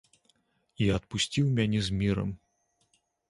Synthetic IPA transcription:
iɐt̪̚pusʲt͡sʲiwmʲanʲɛzʲmʲiɾɐ̰m

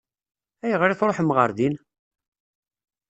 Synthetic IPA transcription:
æjəʁɾiθɾˤoħmʁə̰ɾðin

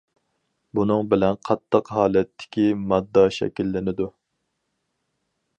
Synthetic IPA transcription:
bunɨŋbɪlɛnqʰɑt̪ʰːəqɦɑːlɛt̪ʰːɪ̥kʲimɑd̪ːɑʃɛ̰kʲilːɪnɪd̪u

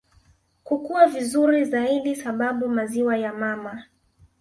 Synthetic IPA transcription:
kukuwavizuɾizaiɗisaɓaɓumaziwajamama

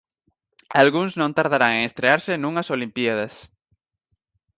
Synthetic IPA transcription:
alɣunznõnt̪aɾðaɾaŋeŋest̪ɾeaɾsenũŋasolimpjaðas

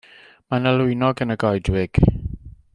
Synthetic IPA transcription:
manəlʊɨnɔɡənəɡɔjdwɪɡ̥

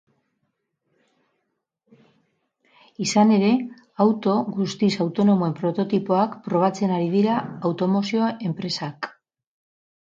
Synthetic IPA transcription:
isane̞ɾe̞ | awt̪o̞ɣust̪isawt̪o̞no̞moe̞mpɾo̞t̪o̞t̪ipo̞akpɾo̞β̞at͡se̞naɾið̞iɾaːwt̪o̞mo̞sio̞e̞mpɾe̞sak

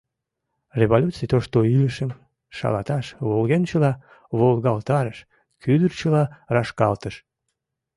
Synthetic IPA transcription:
reβolʲut͡sijt̪oʃt̪oiləʃəm | ʃɑ̰lɑ̰t̪ɑʃβolɣent͡ɕəlɑ | βolˠɣɑlt̪ɑɾəʃ | kyd̪ərt͡ɕəlɑrɑʃkɑlt̪əʃ

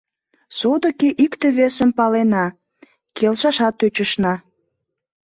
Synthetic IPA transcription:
sod̪əkeʔikt̪ĕβesəmpɑlenɑ | kʰelʃɑʃɑt̪ːøt͡ɕəʃnɑ

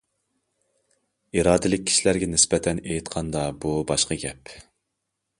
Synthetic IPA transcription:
iɾɑːd̪ɪlɪk̚ʲʰːi̥ʃilæɾɡʲɛnɪsbɛt̪ʰɛnejt̪qʰɑnd̪ɑbubɑʃqɑɡʲɛp

